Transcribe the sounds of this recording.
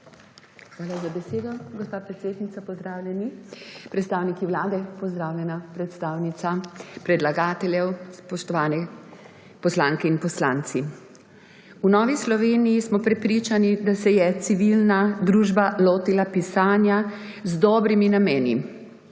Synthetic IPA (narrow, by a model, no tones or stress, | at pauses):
xʋaːlazabɛseːd̪ɔɡɔspaːpɾɛt̪seːd̪nit̪sapɔzd̪ɾaːwlʲjɛnipɾɛt̪st̪aːwnikiwlaːd̪ɛpɔzd̪ɾaːwjɛnapɾɛt̪st̪aːwnit̪sapɾɛd̪laɡaːt̪ɛljɛwspɔʃt̪ɔʋaːnɛ | pɔslaːŋkɛinpɔslaːnt̪si | unɔːʋislɔʋeːnijismɔpɾɛpɾit͡ʃanid̪asɛjɛt̪siʋilnad̪ɾuːʒbaloːt̪ilapisaːnja | zd̪ɔːbɾiminamɛːnḭ